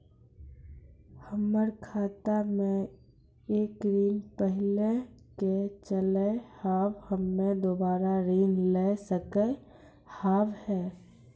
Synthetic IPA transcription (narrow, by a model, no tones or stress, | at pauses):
həməɾkʰaːt̪amẽ | eːkɾiːnpəɦleket͡ʃəlehaːbhəmːẽd̪oːbaːɾaɾiːnlesəke | haːʋhɛː